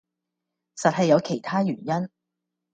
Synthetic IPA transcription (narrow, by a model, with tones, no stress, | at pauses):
sɐ˨t̚hɐ˨jːɐ˨˧wkʰe˨˩jt̪ʰaː˥jyː˨˩njɐ˥n